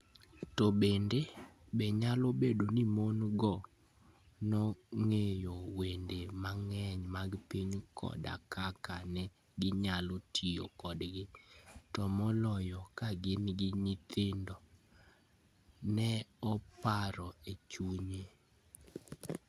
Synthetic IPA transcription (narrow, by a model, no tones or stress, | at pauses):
tɔbendebɛɲalobedonimonɡɔ | nɔŋejowendemaŋɛɲmaɡpiɲkʰɔ̰da̰kakanɛ | ɡɪɲalotʰijo̰kɔdɡɪtɔmɔlɔjɔkaɡɪnɡɪɲɪt̪ɪndɔ | nɛɔpaɾɔet͡ʃuɲe